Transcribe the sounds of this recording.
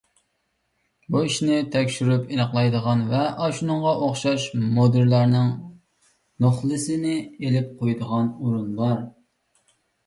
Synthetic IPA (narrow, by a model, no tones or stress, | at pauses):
buiʃnɪt̪ʰɛkʲʃyɾypinɑχlˠɑjd̪əʁɑnvɛʔɑʃunɨŋʁɑʔoχʃɑʃmod̪ɨɾlɑɾnɪŋ | noχlˠɨsɪnɪelɪp̚qʰojd̪əʁɑnuɾunbɑɾ